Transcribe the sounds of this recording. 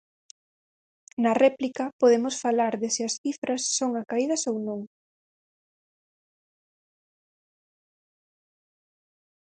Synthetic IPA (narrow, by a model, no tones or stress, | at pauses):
nɐrɛplikɐpoðemosfalaɾðɪsɪɐsθifɾɐsːoŋakaiðɐsownõŋ